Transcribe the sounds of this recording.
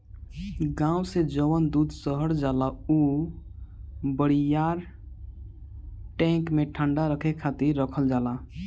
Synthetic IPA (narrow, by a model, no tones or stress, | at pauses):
ɡãused͡ʒəʋənd̪ud̪səɦəɽd͡ʒalau | bəɽijaɾ | ʈɛ̃ŋkmeʈʰəɳɖaɾəkʰekʰat̪iɾːəkʰəld͡ʒala